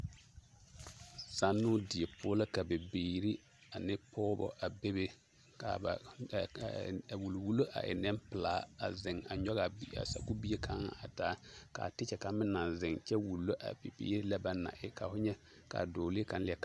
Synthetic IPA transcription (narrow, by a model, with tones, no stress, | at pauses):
sa˦nːʊ˦dɪ˨e˨pʰʊː˦lɪ˦ka˨be˨beː˨ɾi˦ | a˨nɪ˦pʰɔː˦bɔ̰˨ʔa˨be˦be˦ | ka̰˨ba̰˨ | wu˨lwu˨lo˦ʔa̰˨ʔɪ̰˨nɛ˦mpɪ˨laː˨˦a̰˨zɪ˨ŋa˨ɲɔ˦ɣa˨˦a̰˨sa̰˨ku˦bi˦e˦kʰa˦ŋa˨ʔa˨taː˨˦ka̰˨tɪ˦t͡ʃɛ˨ka˨mɪ˦na˨nzɪ˨ŋt͡ʃɛ˦wu˨lːo˦ʔa̰˨pe˨pḭː˦ɾi˦la˦ba˨na̰˨ʔɪ˦ka˨fʊ˦ɲɛ˦ | ka̰˨doː˨li˦ka˨n˦lɪ˨˦ɛ˦ka˦˨